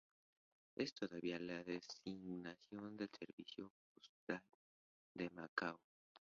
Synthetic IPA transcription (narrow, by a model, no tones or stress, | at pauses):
e̞st̪o̞ðaβialaðesiɣnasjo̞nd̪e̞lseɾβisjo̞pust̪al | d̪emakaw